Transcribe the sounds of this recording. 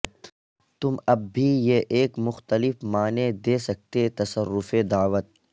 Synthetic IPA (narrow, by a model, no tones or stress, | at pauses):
t̪ʊmɐb̚ːʱijeʔeːkmʊxt̪əlɪfmaːned̪eːsɐk̚t̪et̪ɐsəɾːʊfed̪aːʋət̪̚